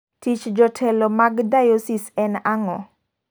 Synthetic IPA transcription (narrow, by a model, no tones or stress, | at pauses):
tit͡ʃd͡ʒɔtʰɛlɔmaɡdajosisɛnaŋɔ